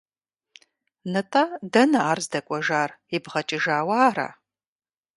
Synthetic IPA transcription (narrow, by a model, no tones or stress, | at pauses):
nɐtʼaːdɐnɐaːrzdɐkʷʼɔʒaːribʁɐt͡ʃʼɪʒaːwɐaːra̰ː